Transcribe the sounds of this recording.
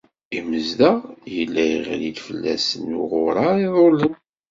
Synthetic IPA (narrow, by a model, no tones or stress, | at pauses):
iməzðæjəlːæjəʁlid̪fəlːæ̰sənʊʁʊɾˤɑiðˤolən